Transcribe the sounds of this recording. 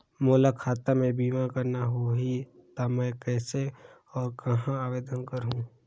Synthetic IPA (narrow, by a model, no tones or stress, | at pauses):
moːlakʰaːt̪amẽbiːʋãkəɾnaɦoɦit̪amɛ̃kɛːse | ɔːɾkɐɦãaːʋeːd̪ənkəɾɦũː